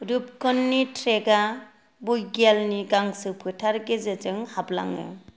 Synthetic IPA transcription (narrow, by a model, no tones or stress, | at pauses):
ɾup̚kɔnːitʰɾeɡa | bujɡelniɡaŋsɯpʰɯtʰaɾɡezed͡ʒɯŋhabla̰ŋɯ̰